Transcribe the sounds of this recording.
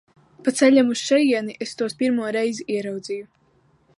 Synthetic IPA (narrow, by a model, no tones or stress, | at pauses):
pat̪sɛlʲamusʃɛjiɛniʔest̪uɔspiɾmuɔɾɛjziʔiɛɾawd̪ziju